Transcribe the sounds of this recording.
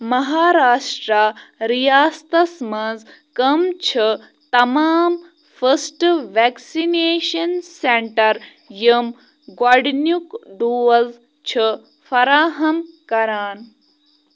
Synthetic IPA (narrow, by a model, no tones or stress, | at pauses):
mɐɦaːɾaːʂʈɾaɾijaːst̪ɐsmɐnd͡z | kɐmt͡ʃʰɐ | t̪ɐmaːm | fɐsʈʋɛːksineːʃɐnseɳʈɐɾ | jɐm | ɡwɐɖnjukɖuːɐlz | t͡ʃʰɨ | fɐɾaːɦɐmkɐɾaːn